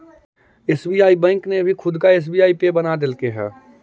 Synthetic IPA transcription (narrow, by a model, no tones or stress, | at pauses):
eːsbiːaːibɛ̃ːŋknebʱikʰʊd̪kaeːs̬biːaːipebɐnad̪ɪlkeɦɛ̰ː